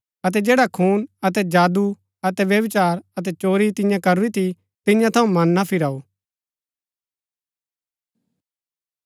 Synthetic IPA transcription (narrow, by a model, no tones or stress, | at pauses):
ɐt̪̬ɛd͡ʒeːɽakʰuːnɐt̪̬ɛd͡ʒaːd̪u | ɐt̪ɛʋjɐʋɪt͡ʃaːɾɐt̪ɛt͡ʃoːɾit̪ɪ̃jãkɐɾuɾit̪ʰi | t̪ɪ̃jãt̪ʰɐũmɐnːapʰɪɾaːu